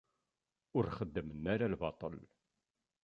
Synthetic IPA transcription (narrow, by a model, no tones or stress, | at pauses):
ʊɾχəd̪ːəmənːaɾalvɑ̰t̪ˤəl